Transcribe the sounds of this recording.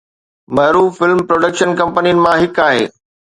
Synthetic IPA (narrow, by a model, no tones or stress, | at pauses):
mɐɦɾuːffɪlmpɾoːɖəkʃənkɐ̃mpənijənɪ̆mãɦɪkaːɦḛː